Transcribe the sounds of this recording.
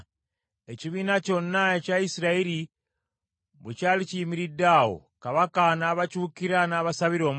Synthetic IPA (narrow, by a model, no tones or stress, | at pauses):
eciβiːnaco̞nːaecaisiɾaeɾi | βucaːliciːmiɾidawo̰kaβakanaːβacuːkiɾanaːβasaβiɾo̞ːm